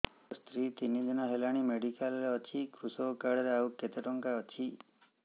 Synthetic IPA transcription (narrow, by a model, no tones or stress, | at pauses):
st̪ɾit̪inid͡ʒenaɦelaɽ̃imeɽikalɾeɔt͡ʃʰikɾusokaɽɾeaukːet̪eʈɔŋkaɔt͡ʃʰi